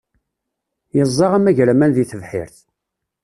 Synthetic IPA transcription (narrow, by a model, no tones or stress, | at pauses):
jəzˤːɑʁæmæʝɾæmænðiθəvħɪ̰ɾθ